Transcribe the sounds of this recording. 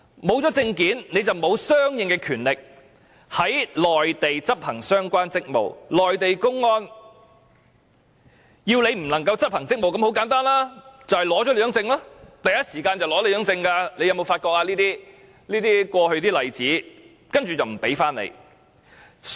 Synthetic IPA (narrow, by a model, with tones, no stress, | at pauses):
mo˨˧wt͡sɔː˨˥t͡sɪ˧ŋkiː˨˥nne˨˧jt͡sɐ˨wmo˨˧wsœː˥ŋjɪ˨˧ŋkɛː˧kʰyː˨˩nlɪ˨k̚ | hɐ˨˥jlɔː˨jt̪e˨jt͡sɐ˥p̚hɐ˨˩ŋsœː˥ŋkʷaː˥nt͡sɪ˥k̚mo̰˨˩wlɔː˨jt̪e˨jkʊ˥ŋːɔː˥n | jiː˧wle˨˧jm̩˨˩lɐ˨˩ŋkɐ˧wt͡sɐ˥p̚hɐ˨˩ŋt͡sɪ˥k̚mo˨wkɐ˨˧mho˨˥wkaː˨˥nt̪aː˥nlaː˥t͡sɐ˨whɛ˨jlɔː˨˥t͡ʃɔ˨˥le˧jœː˨˥ŋt͡sɪ˧ŋlaː˥t̪ɐ˨jɐ˥t̚siː˨˩kaː˧nt͡sɐ˨wlɔː˨˥le˧jœː˨˥ŋt͡sɪ˧ŋkaː˧le˨˧jɐ˨˧wmo˨˧wfaː˧t̚kɔː˧k̚aː˧liː˥t̪iː˥ | liː˥t̪iː˥kʷɔː˧hɵ˧t̪̬iː˥lɐ˨jt͡siː˨˥ | kɐ˥nt͡ʃyː˨t͡sɐ˨wm̩˨˩pe˨˥jfaː˥nḛ˨˧j